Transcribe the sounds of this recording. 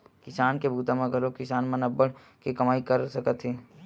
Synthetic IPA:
kɪsaːnkebʱuːt̪amẽɡʱɐlokɪsaːnmɐnɐbəɽ | kekɐmaːikɐɾsɐkət̪ɦeː

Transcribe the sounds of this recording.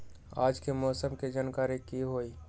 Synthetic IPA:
aːd͡ʒkemɔːsəmked͡ʒaːnkaːɾikiɦoːiː

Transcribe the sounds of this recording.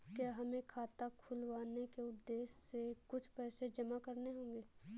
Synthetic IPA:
kjaːɦɐmẽkʰaːt̪akʰʊlʋaːnekeʊd̪ːeːsːekʊt͡ʃʰpɛːsed͡ʒɐmakɐɾneɦõːŋɡeː

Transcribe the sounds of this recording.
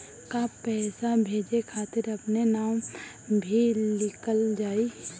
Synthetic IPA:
kapɛːsabʱeːd͡ʒekʰaːt̪ɪɾɐpnenaːw | bʱilɪkəld͡ʒaːi

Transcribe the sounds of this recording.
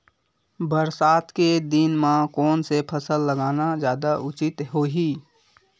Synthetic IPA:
bəɾsaːt̪ʰked̪inmãkɔːnsepʰəsəlːəɡaːnad͡ʒjaːd̪aʔʊt͡ʃɪt̪ɦoːɦiː

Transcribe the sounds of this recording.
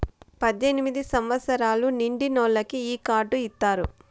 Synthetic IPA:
pɐd̪ʱjenimid̪isɐmʋɐt̪sɐɾaːluniɳɖinɔːlːɐkiiːkaːɾɖuit̪ːaːɾu

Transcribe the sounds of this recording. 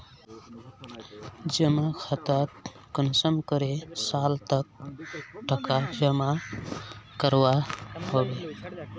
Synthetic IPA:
d͡ʒəmakʰat̪əɾ | kənsəmkəɾesalt̪ək̚ | ʈəkad͡ʒəma | kəɾwaɦobe

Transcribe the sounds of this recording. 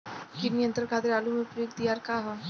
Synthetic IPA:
kinijə̃nt̪ɾəɾkaːd̪iɾaːlumepɾoːk̚d̪ijaːɾkaːɦɛ

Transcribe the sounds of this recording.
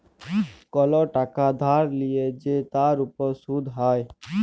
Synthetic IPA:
kɔlɔʈakad̪ʱaɾlijed͡ʒet̪aɾupɔɾsud̪ʱɦaj

